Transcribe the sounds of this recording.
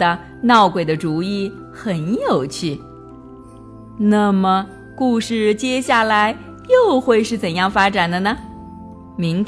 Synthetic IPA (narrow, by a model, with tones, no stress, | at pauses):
ə˧ | nɑ˥˩ʊkwe˨˩ɪd̪ə˩ʈ͡ʂu˧˥i˥˩ | xə˨˩˥njo˨˩ʊt͡ɕʰy˥˩ | na˥˩mə˩ | ku˥˧ʂɻ̩˥˩t͡ɕjɛ˥ɕja˥˩la˧˥ɪ | jo˥˧ʊxwe˥˧ɪʂɻ̩˥˩t͡sə˨˩njɑ˥˩ŋfa˥ʈ͡ʂa˨˩nd̪ə˦nə˩ | mi˧˥ŋ